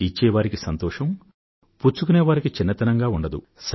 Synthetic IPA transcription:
it͡ʃːɛːʋaːɾikisɐnt̪ɔːʂɐm | puːt͡ʃukuneːʋaːɾikit͡ʃinːɐt̪ɐnɐŋɡaːuɳɖɐd̪ṵ | s

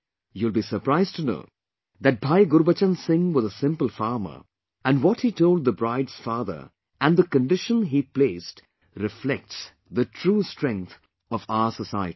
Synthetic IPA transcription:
julˠbisə˞pɾaɪztɨno̰ʊ | ðæt̚bʱaɪɡʊɾbət͡ʃə̃nsɪ̃ŋwɪðəsɪ̃mpəl̩ˠfaɹmə̰˞ | æ̃nwɔt̚hitoʊld̪̚ðəbɹaɪdz̥faðə̰˞ | æ̃nðəkə̃nɖɪʃə̃nɦipleːst | ɾɪflɛk̚ts | ðətʰɹuːstɹ̥ɛ̃ŋk̚t̪ | ɔvaʊəsəsaɪəɾi̥

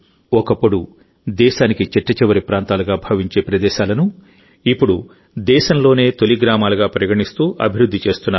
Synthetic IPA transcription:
ɔkɐpːuɽu | d̪ɛːʃaːnikit͡ʃiʈːɐt͡ʃɛʋɐɾipɾaːnt̪aːluɡaːbʱɐʋiɲt͡ʃe̞ːpɾɐd̪ɛːʃaːlɐnu | ipːuɽu | d̪ɛːʃɐmlo̞ːne̞ːt̪eliɡɾaːmaːluɡaːpɾɐɡɐʈist̪uːʔɐ̰bʱiɾud̪ʱːit͡ʃe̞ːst̪unːaː

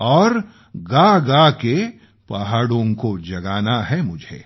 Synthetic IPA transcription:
ɔːɾ | ɡaɡake | paɦaːɽõkod͡ʒɐɡaːnaɦɛmʊd͡ʒʱḛː

